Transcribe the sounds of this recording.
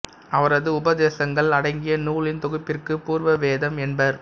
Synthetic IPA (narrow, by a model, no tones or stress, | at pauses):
ɐʋɐɾɐðɯʊbɐðeːsɐŋɡɐɭɐɽɐɪŋɡɪjɐnuːɭɪnt̪ɔɣɯpːɪrkɯpuːɾʋɐʋeːðɐmɛnbɐɾ